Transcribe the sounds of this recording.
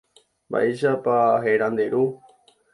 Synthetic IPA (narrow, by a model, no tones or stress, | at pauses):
ba̰ʔiʃapaɦeɾãnd̪eɾu